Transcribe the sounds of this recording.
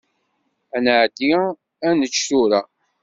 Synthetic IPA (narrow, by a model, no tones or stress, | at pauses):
ænəʕd̪i | ænət͡ʃːθuɾæ